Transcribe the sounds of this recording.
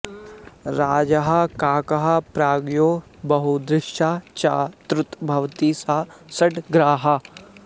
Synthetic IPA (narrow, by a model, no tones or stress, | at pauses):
ɾaːd͡ʒɐɦɐkaːkɐɦɐpɾaːɡjoː | bɐɦud̪ɾɪʃaːt͡ʃaːt̪ɾʊt̪bʱɐʋt̪isasɐʈɡɾaːɦɐ